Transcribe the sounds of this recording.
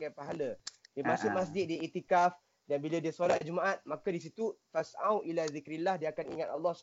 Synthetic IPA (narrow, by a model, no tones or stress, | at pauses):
ɡajpaɦalədiəmãsʊmas̬d͡ʒɪt̪̚diit̪ikaf | danbiladiəsolat̪̚d͡ʒumaʔat̪̚makadis̬it̪ufasa̰wʔilazikɾilahdiəakaniŋat̪alːɔh